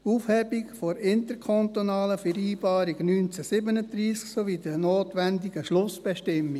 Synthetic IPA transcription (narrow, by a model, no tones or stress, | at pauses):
uːfhɛbikfoɾɪntəɾkʰɔntonɑːləfɛɾiːb̥ɑːɾiɡnyːnt͡sɛsɪbənəd̪ɾiːsksoʋid̥ənoːtʋændiɡəʃlʊsb̥ɛʃtɪmːi